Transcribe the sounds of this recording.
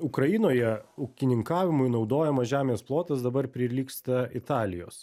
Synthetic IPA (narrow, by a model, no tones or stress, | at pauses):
ʊkɾɐjɪnoːjɛʊkʲɪnʲɪŋkɑːʋʲɪmʊɪnɒʊd̪oːjɛmɐʒʲæːmʲeːsplˠoːt̪ɐsd̪ɐbɐɾpʲɾʲɪlʲiːkst̪ɐɪt̪ɑːlʲɪjo̰ːs